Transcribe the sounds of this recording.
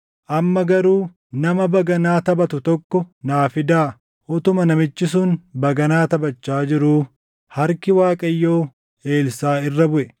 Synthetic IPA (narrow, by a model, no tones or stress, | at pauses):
ʔɐmːɐɡɐɾuː | nɐmɐbɐɡɐnaːt̪ɐbɐt̪ʊt̪ɔkːɔnaːfɪd̪aː | ʔɔt̪ʊmɐnɐmɪt͡ʃːɪsʊnbɐɡɐnaːt̪ɐbɐt͡ʃːaːd͡ʒɪɾuː | hɐɾkɪwaːkʼɐjːo̞ː | e̞ːlsaːɪrːɐbʊʔɛ